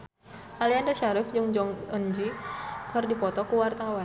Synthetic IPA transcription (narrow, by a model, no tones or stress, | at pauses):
aliandaʃaɾɪfd͡ʒuŋd͡ʒɔŋənd͡ʒikərdipɔt̪ɔkuwart̪awa